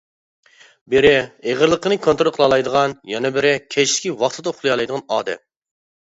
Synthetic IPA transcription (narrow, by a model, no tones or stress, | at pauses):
bɪɾɪeʁəɾlˠəqənɨkʰont̪ɾolˠqʰəlˠɑlˠɑjd̪əʁɑnjɛnɛbɪɾɪkʲʰɛt͡ʃʰlɪ̥kʲiwɑχt̪ʰɨd̪ɑχlˠɨjɑlˠɑjd̪əʁɑnɑːd̪ɛ̰m